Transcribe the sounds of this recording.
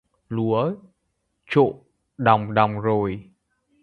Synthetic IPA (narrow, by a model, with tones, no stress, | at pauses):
lu˨˦ə | t͡ɕo̰˧˨ | ɗa˨˩wŋ͡mɗa˨˩wŋ͡mzo˨˩j